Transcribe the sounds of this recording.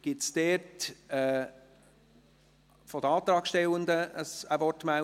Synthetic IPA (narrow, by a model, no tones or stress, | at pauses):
ɡ̥ɪtsd̥ɛːtɛː | fɔd̥̪əɑːt̪ɾɑːkʃtɛlənd̪əəsəvɔtmæ